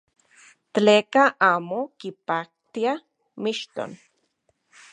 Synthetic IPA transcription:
t̪t͡ɬeːkaʔaːmokipak̚t̪ia | miʃt̪o̰n

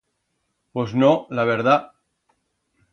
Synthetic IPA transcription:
poznolaβeɾða

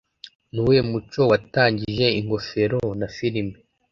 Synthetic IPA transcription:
niwemut͡ʃo̞wataːɲɟiʒe̞iŋɡo̞fe̞ɾo̞nafiɾime

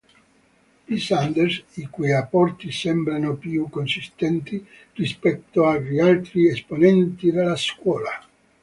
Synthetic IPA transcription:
isand̪ersikujapːɔrt̪isɛmbɾanopjukːonsist̪ɛnt̪i | rispɛt̪ːoarialt̪ɾiesponɛnt̪id̪elaskwɔːla

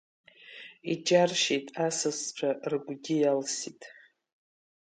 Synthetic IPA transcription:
id͡ʒarʃitʼasɨst͡ʃʷʰaʔrɡʷɡʲɪjalsitʼ

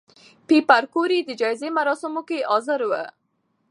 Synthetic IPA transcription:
pipaɾkoɾid̪əd͡ʒɑɪzemaɾɑsɪmokeɑzəɾwə̰

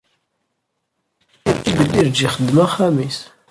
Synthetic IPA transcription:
iθibəlːiɾd͡ʒiχəd̪ːmæχæmis

